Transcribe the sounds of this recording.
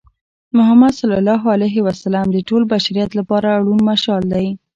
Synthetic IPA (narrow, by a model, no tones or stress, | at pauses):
mʊɦamːad̪salɑlɑɦalajɦɪwasalɑmd̪əʈolbaʃaɾijɑt̪lapɑɾaɽunmaʃɑld̪aj